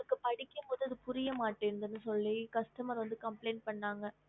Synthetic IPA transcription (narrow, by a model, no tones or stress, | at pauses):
ɐɐkːɯpɐɽɪkːɯmpoːðɯɐðɯpʊɾɪjɐmaːʈːend̪ɐnːɯsɔlːikɐsʈɐmaːʋɐnd̪ɯkɐmpleːnpɐɳːaːŋɡɐ